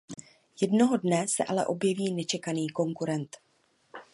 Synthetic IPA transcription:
jɛdno̞ɦo̞dnɛsɛ̰ʔalɛ̰ʔo̞bjɛviːnɛt͡ʃɛkaniːko̞ŋkuɾɛnt̪

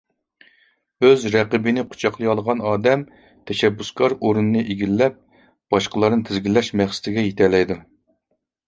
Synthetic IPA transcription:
øzɾɛqəbɪnɪqʰʊ̥t͡ʃʰɑqlˠɨjɑlˠəʁɑnɑːd̪ɛm | t̪ʰɛʃɛbːuskʰɑɾoɾunɨnɨʔeɡʲilːɛp̚ | b̥ɑʃqəlˠɑɾnɨt̪ʰɪzɡʲilːɛʃmɛχsɪ̥t̪ʰɪɡʲɛjet̪ʰɛlɛjd̪u

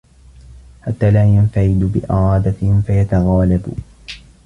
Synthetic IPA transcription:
ħat̪ːaːlaːjanfaʕɪd̪ʊbɪ̰ʔɪ̰ɾˤɑːd̪afajat̪aɣaːlabʊ̰

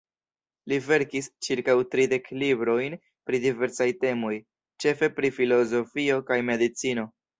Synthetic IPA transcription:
live̞ɾkist͡ʃiɾkawtɾide̞klibɾo̞jn | pɾidive̞ɾsajte̞mo̞j | t͡ʃe̞fe̞pɾifilo̞zo̞fio̞kajme̞dit͡sino̞

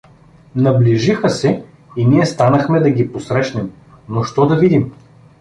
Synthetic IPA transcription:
nɐbliʒixəsɛ | iniɛst̪anəxmɛd̪ɐɡʲiposɾɛʃnɛm | noʃt̪ɔd̪ɐvid̪im

